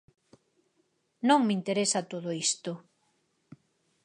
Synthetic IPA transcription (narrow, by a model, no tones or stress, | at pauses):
nõŋmint̪eɾesat̪oðoist̪o